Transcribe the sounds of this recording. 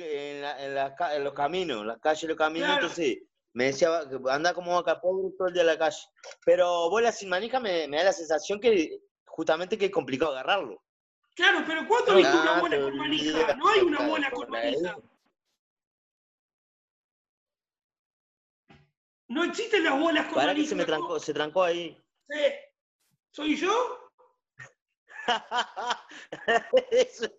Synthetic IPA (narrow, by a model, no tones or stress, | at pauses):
nlaenlakaelohkamĩno̰slakaʃelokamĩnosẽnt̪onses | meðesiaβaand̪akomoakalpoβɾet̪oeld̪ialakaʃe̥peɾoβojlasinmanixamemealase̞nsasjo̞ŋke | xust̪ament̪ekeehko̞mplikaaɣaraɾlo̰ | klaɾopeɾokwand̪oajaunaβwenaomanianoajunaβwenakoania | noeksiht̪elazβwelaskoaɾanisemet̪ɾaŋkoset̪ɾaŋkoai | se | sojʒo | aa | es